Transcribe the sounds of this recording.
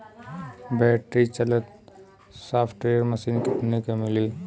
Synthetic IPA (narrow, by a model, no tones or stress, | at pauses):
bɛʈɾit͡ʃələt̪̚ | saːpʰʈɾeɾməsiːnkit̪nikemili